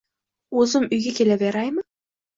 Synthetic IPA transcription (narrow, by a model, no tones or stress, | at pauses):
ɵzɪmʊjɡʲakʲʰelaveɾajmɪ